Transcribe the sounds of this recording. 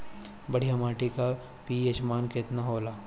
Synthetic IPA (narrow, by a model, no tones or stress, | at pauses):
bɐɽ̤ijamaːʈika | piet͡ʃmaːnkɪt̪naɦoːlaː